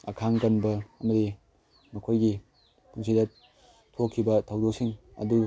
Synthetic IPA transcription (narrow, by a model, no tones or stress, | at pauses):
ɐ̰kʰaŋkɐnbɐːmɐdi | mɐkʰojɡi | kʰuns̬idet | tʰokʰːibɐtʰɐwdok̚siŋɐ̰du